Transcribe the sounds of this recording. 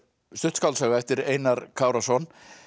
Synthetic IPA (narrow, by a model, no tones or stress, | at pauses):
st̪ʏht̪skawlsaːɣaɛft̪ɪɾeːjnaɾkʰaːwɾasɔn